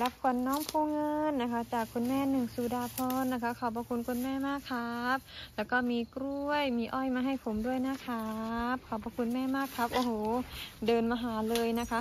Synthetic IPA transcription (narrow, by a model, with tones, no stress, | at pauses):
la˦˥p̚kʰu˧˩ənːɔː˧˥˨ŋpʰoː˧˩ŋɤ˧nːa˦˧kʰa˦˥t͡ɕaː˨˩kʰːu˧nmɛː˧˥˩nɯ˨˩ŋsuː˨˧˩daː˧˩pʰɔː˧˥nːa˦˥kʰa˦˥kʰa˨˩wbɔː˧kʰu˧˨nkʰu˧˨nmɛː˧˥˩maː˧˥˩kʰːa˦˥p̚lɛː˦˧˩wkɔː˧˩miː˧kɾu˧˩əjmiː˧ʔɔː˧˥˩jmaː˧ɦa˧˩jpʰo˨˦mdu˥˩əjnaː˧˥˨kʰa˦˥p̚kʰa˧˩wpɔː˧kʰu˧˥nmɛː˧˥˨maː˥˩kʰːa˦˥p̚ʔoː˧˩hoː˨˩˦dɤː˧nmaː˧ɦaː˩˦lɤː˧jna˦˥kʰa˦˥ʔ